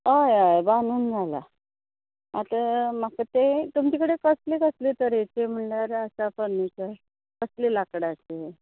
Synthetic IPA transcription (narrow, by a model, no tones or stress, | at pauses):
ɦajajbanuːnd͡zʱala̰ | a̰t̪əmakət̪et̪umt͡ɕikəɽekəslekəslet̪əɾet͡ɕem̤əɳlaɾəsapənːit͡səj | kəslilakɽat͡ɕe